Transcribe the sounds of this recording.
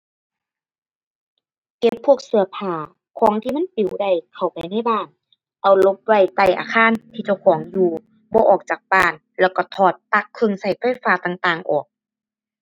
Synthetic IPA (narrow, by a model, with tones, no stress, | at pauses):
ke˧˦pʰːu˧˥˩ək̚sɯ˨˧˩ɐ˦pʰaː˧˩ | kʰɔː˧˦ŋt̪ʰiː˧˨ma˧˥˨npi˨˩˦wda˧˩jkʰa˨˩wpa˨˩jna˧˥˨jbaː˧˥˨n | ʔa˨˩wlo˧˦p̚wa˧˩jt̪a˧˩jʔa̰ː˧˦kʰaː˧˥˨nt̪ʰiː˧t͡ɕa˧˩wkʰɔː˩˦ŋjuː˧ | bɔː˧˦ʔɔː˨˩k̚t͡ɕaː˨˩k̚baː˧˩˨n | lɛː˧˩wkɔ˧˩t̪ʰɔː˧˩t̪̚ːa˧˩kʰːɤ˧˨ŋsa˧˩jfa˧˥˨jfaː˧t̪aː˨˩ŋt̪aː˨ŋʔɔː˨˩k̚